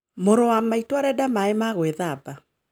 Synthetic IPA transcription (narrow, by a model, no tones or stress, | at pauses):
moɾowamaitwaɾɛdamaemaɣweðaba